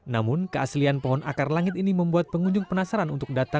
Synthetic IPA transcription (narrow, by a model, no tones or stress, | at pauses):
namʊnkəaslianpɔɦɔnʔa̰karlaŋɪt̪iniməmbuat̪̚pəŋuɲd͡ʒʊŋpənasaɾanunt̪ʊk̚dat̪a